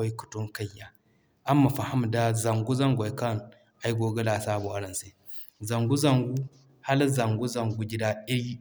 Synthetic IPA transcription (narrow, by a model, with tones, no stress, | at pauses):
a˦ku̥˨tu˦ŋka˦jːa˨ | ʔa˦mːa˨fa˨ha˦m˨da˦za˨ŋɡu˦za˦ŋɡʷa˨˦ka˦˨n | a˨˦jɡo˨ɡɐ˦la˨saː˦bu˨ʔa˦ɾɐ˨se˦ | za˨ŋɡu˦za˨ŋɡu˦ | ha˦lza˨ŋɡu˦za˨ŋɡu˦ɡʲi˦da˦i˦ɾi˦